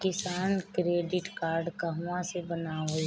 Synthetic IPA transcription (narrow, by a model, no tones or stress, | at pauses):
kɪsaːnkɾeːɖɪʈkaːɾɖkəɦʋãsebənao